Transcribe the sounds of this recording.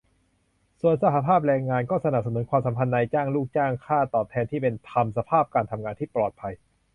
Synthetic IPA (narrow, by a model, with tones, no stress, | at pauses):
su˨˩ənsa˧ha˧pʰaː˥˩p̚ɾɛː˧ŋːaː˧nkɔː˥˩sa˧na˨˩p̚sa˧nu˩˦nkwaː˧msa˩˦mpʰa˧nːa˧jt͡ɕaː˥˩ŋluː˥˩k̚t͡ɕaː˥˩ŋkʰaː˥˩t̪ɔː˨˩p̚t̪ʰɛː˧nt̪ʰiː˥˩pe˧nt̪ʰa˧msa˧pʰaː˥˩p̚kaː˧nt̪ʰa˧mŋaː˧nt̪iː˥˩plɔː˨˩t̪̚pʰa˧j